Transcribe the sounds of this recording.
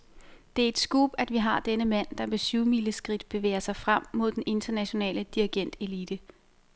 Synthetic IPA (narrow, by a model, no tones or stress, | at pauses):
d̥e̝æɐe̝d̥sɡ̥ṵːb̥æd̥ʋiɦɑ̈d̥enəmæn̰d̥ɑ̈me̝syʊmiləsɡ̥ʁid̥b̥e̝ʋḛːɐsɑ̈ɪfʁam̰mo̝ð̰ˠd̥ene̝nd̥ɐnæɕo̝nɛ̰ːləd̥iiɡ̥en̰d̥e̝liːd̥ə